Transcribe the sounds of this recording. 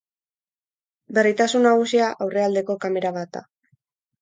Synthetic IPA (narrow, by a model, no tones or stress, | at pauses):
be̞rit̪asunːaɣ̞usiaʔawre̞ald̪e̞ko̞kame̞ɾaβat̪̚d̪a̰